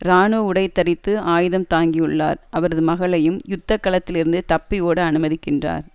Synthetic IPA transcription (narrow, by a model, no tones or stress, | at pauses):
ɾaːnoːʊɽɐɪt̪ːɐɾɪt̪ːɯaːjɪðɐmt̪aːŋɡijɯɭːa̰ːɾʔɐʋɐɾɐðɯmɐɣɐɭɐjɯmjʊt̪ːɐkːɐɭɐt̪ːɪlɪɾɯnd̪ɯt̪ɐpːɪjoːɽɯɐnɯmɐðɪkːɪndra̰ːɾ